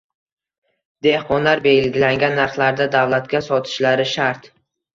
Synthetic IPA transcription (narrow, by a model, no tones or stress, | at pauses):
d̪̥e̞hqɒnlaɾbe̞lɡʲɪlaŋɡʲanːaɾχlˠaɾd̪ad̪awlˠat̪kʲasɒt̪ʰɪ̥ʃlaɾɪʃaɾt̪